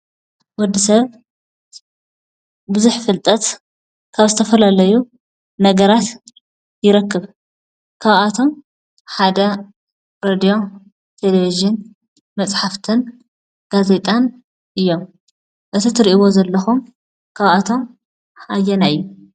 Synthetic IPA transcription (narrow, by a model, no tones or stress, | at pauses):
wɔd̪ːɨsɐβ | bɨzuħfɨlt̪ʼɐt̪ | kʰaβzɨt̪ʰɐfɐlalɐju | nɐɡɐɾat̪ | jɪɾɐkːɨβ | kʰaβat̪ʰo̞m | ħad̪ɐ | ɾed̪ijo̞ | t̪ʰeleviʒɪn | mɐt͡sʼħaft̪ʰɨn | ɡ̥aze̞t̪ʼan | ʔɨjːo̞m | ʔɨt̪ʰit̪ʰɨɾʔiβo̞zɐlːɐxum | kʰaβat̪ʰo̞m | ħajːɛnajːu